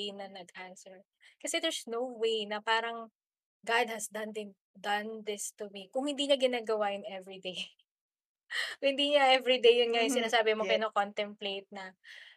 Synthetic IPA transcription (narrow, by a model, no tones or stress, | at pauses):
nɐnɐɡʔansɛɹ | kɐsɛd̪ɛɹsnowwejnɐpaːɾɐŋ | ɡad̪̚hɐsd̪ɐnd̪ɪ | d̪ɐnd̪ɪst̪ʊmikʊŋhɪ̃nd̪iːɲɐɡɪnaːɡɐwajʊnɛvɹid̪ej | hɪnd̪iːɲɐʔɛvɾid̪ejʊnŋajʊŋsɪnaːsaːbɪmokɪnokont̪ɛmplejt̪̚nɐ